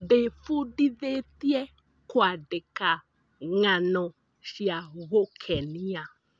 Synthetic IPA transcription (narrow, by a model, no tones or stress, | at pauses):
ɖefuɖiðet̪iɛ | kwaɖeka | ŋãnɔ̃ | ʃiaɣokʰɛnĩa